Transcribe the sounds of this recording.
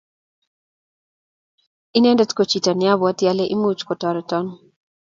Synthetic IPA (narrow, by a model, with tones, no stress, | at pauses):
i˦nɛ˦ndɔ˦tko˨t͡ʃi˨ta˨nɪ˦a˦bɔ˦tja˦le˦ʔi˦mut͡ʃkɔ˨tɔ˨ɾɔ˨tɔ˦n